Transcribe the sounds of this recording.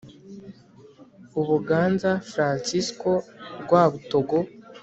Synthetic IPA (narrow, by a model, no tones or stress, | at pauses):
uβuɡaːnzafɾaːnsisko̞ɡwaːβuto̞ɡo